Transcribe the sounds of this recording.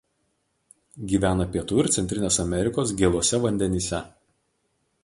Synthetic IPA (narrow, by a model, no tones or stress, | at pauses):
ɡʲiːʋʲæːnɐpʲiɛt̪uːɪɾt̪sʲɛnʲt̪ʲɾʲɪnʲeːsɐmʲɛɾʲɪkoːsɡʲeːlˠoɔsʲɛʋɐnʲd̪ʲɛnʲiːsʲɛ